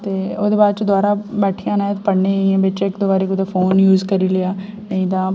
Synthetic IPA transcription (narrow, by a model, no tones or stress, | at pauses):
t̪eːoːd̪eːbaːd̪̚t͡ʃəd̪ʊaːɾaːbɛːʈʰijãːnãːt̪pəɽneːiɛ̃ːbet͡ʃːɪkd̪oːbaːɾeːkʊd̪aːfʰoːnjuːzkəɾiːləjaːnəĩːd̪ãː